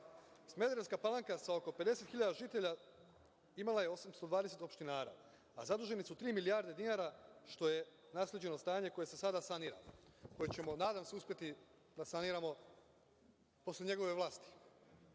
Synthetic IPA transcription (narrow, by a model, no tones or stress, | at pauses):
sme̞d̪ɾeskapalˠaŋkasao̞ko̞ped̪e̞se̞t̪xiʎad̪aʒit̪e̞ʎa | imalajeo̞samst̪o̞d̪ʋaːd̪eset̪o̞pʃt̪inaːɾa̰ | a̰zad̪uːʒe̞nisut̪ɾiːmilijaɾd̪e̞d̪inaɾaʃt̪o̞je̞ | naːslʲed͡ʑe̞no̞st̪aːɲe̞ko̞je̞sesad̪asaniːɾa̰loko̞jet͡ɕe̞mo̞naːd̪amseuspʲje̞t̪i | d̪asaniɾamo̞ | po̞slʲe̞ɲe̞ɡo̞ʋe̞ʋlˠaːst̪i̥